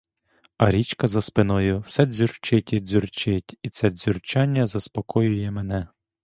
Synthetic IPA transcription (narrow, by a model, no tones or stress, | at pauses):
ɐɾʲit͡ʃkɐzɐspɪnɔjʊwsɛdʲzʲurt͡ʃɪtʲidʲzʲurt͡ʃɪtʲit̪sɛdʲzʲyrt͡ʃɑnʲːɐzɐspɔkɔjʊjɛmenɛ